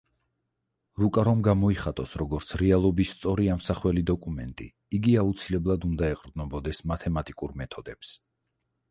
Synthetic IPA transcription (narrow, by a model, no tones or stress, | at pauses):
ɾukʼaɾɔmɡamɔiχat̪ʼɔsɾɔɡɔɾt̪sʰɾɛalˠɔbist̪sʼɔɾiamsaχwɛlid̪ɔkʼumɛnt̪ʼi | iɡiaut̪sʰilɛblˠad̪und̪aɛqʼɾd̪nɔbɔd̪ɛsmat̪ʰɛmat̪ʼikʼuɾmɛt̪ʰɔd̪ɛps